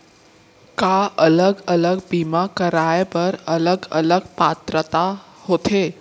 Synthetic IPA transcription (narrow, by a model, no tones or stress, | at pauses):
kaʔələɡələɡbimakəɾajbəɾələɡələɡpat̪ɾət̪a | hoːt̪ʰe